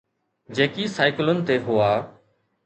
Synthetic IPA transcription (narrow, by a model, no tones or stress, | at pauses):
d͡ʑẽːkisaːɪklʊnɪ̆t̪eːɦʊaː